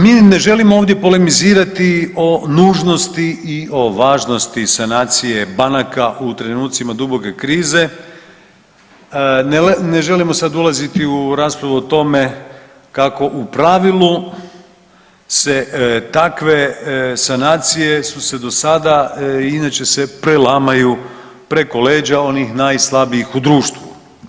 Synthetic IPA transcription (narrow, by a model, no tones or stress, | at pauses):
miːne̞ʒe̞limooːʋd̪je̞po̞le̞miziːɾat̪io̞nuːʒno̞st̪iio̞ʋaːʒno̞st̪isanaːt̪sije̞banakaʔut̪ɾe̞nuːt̪simad̪ubo̞ke̞kɾiːze̞ | nne̞ʒe̞limo̞sad̪ulˠazit̪iuɾaːspɾaʋuot̪o̞me̞ | kako̞ʔupɾaʋilˠu | se̞t̪akʋe̞sanaːt̪sije̞suse̞d̪o̞sad̪ainat͡ʃe̞se̞pɾelamaju | pɾe̞ko̞le̞ːd͡ʒao̞nixnajslˠabiixud̪ɾuːʃt̪ʋṵ